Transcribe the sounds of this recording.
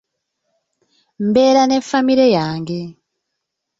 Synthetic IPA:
mbe̞ːɾane̞ɱfamiɾejaːŋɡe̞

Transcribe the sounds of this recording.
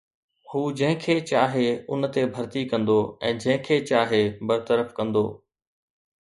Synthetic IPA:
huːd͡ʑɐ̃ɦɪ̃kʰeːt͡ɕaːɦeʊnt̪ebʱɐɾt̪ikɐ̃nd̪oɛ̃ːd͡ʑɐ̃ɦɪ̃kʰeːt͡ɕaːɦebɐɾt̪əɾəfkɐ̃nd̪o̰ː

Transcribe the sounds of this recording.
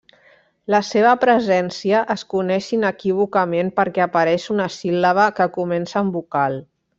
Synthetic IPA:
ləseβəpɾəzɛnsiəʔəskunɛʃinəkiβ̞ukəmenpəɾkɛapəɾɛʃunəsiləβəkəkumɛnsəːmbukalˠ

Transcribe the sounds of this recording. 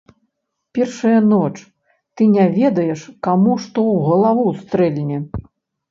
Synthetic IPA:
pʲɛrʂɐjɐnɔt͡ʂ | t̪ɨnʲavʲɛd̪ɐjɛʂkamuʂt̪ɔwɣɐlˠavust̪ɾɛlʲnʲɛ

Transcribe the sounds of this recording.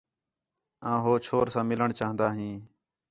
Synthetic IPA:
ãːɦoːt͡ʃʰoːɾsãːmɪləɳt͡ʃaːɦənd̪aːɦĩː

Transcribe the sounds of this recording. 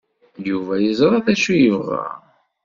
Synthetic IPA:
juvæjizˤɾˤɑðæʃujəvʁɑ̰

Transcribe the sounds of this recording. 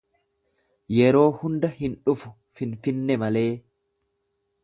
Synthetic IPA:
jɛɾo̞ːhʊnd̪ɐhɪnᶑʊfʊ | fɪnfɪnːɛmɐle̞ː

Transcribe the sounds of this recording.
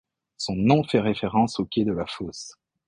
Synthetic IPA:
sɔ̃nɔ̃fɛʁefeʁɑ̃sokʲjed̪əlafos

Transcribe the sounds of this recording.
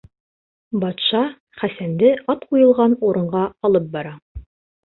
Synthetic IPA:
bɑt̪ʃɑ | χæsænd̪ɘʔɑt̪qujɤ̆lˠʁɑnuɾɤ̆ɴʁɑɒlˠɤp̚bɑɾɑ

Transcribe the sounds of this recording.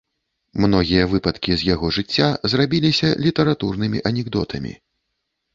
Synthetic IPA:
mnɔɣʲijɐvɨpɐt̪kʲizʲjaɣɔʐɨt͡sʲːazrabʲilʲisʲɐlʲit̪ɐɾat̪urnɨmʲiʔɐnʲɛɡd̪ɔt̪ʰɐmʲḭ

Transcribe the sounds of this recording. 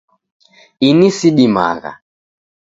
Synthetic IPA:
inisiɗima̰ɣa̰

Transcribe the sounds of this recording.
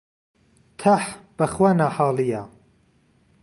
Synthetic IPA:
t̪ʰaħb̥ɐxwanaːħɑːlija

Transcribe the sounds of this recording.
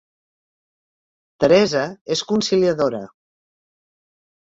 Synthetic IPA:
t̪əɾɛzəeskunsiliəðoɾə

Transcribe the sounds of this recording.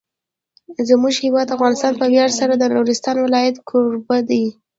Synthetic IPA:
zmuʒhɪwɑd̪afɣɑnɪst̪ɑnpəwjɑɽsaɾad̪ənuɾɪst̪ɑnwɪlɑjat̪kʰuɾbad̪aj

